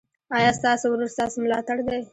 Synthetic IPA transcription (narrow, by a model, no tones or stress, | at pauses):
ɑjɑst̪ɑsowɾoɾst̪ɑsomlɑt̪aɽd̪ej